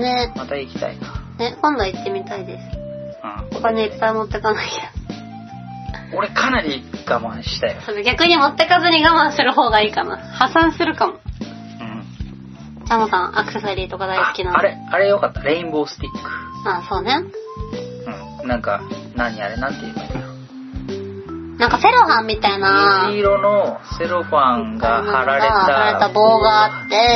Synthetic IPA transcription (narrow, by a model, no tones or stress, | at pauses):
ne̞mat̪aikʲi̥t̪a̰inḁne̞kõnd̪oit̪ːe̞mʲit̪aid̪e̞sɨ̥ãhokaneipːaimo̞t̪ːe̞kanaiḁ | o̞ɾe̞kʰanaɾʲiɡ̥amãɰ̃ɕi̥t̪ajosoːd̪eɡʲakɯ̟ɲ̟imo̞t̪ːe̞kazɨɲ̟iɡamãɰ̃sɨɾɯ̟ɦo̞ːɡaiːkana̰ | hasãɰ̃sɨɾɯ̟kamo̞ | ɯ̃ | t͡ɕamosãɰ̃ʔakɯ̟sesoɾʲiːt̪o̞kad̪aisɨ̥kʲinaaɾe | aɾe̞jo̞kat̪ːaɾe̞ĩmbo̞ːsɨ̥t̪ʲikːɯ̥ | aːso̞ːnẽ̞ | ɯ̟̃ː | nãŋka̰ | nãɲ̟ːiaɾenat̪ːejɯt̪ako | nãŋkase̞ɾo̞ɸãmʲːit̪ainaiɾono̞se̞ɾoɸãŋɡaaɾaɾeaaɾet̪abo̞ːɡaːt̪ːe̞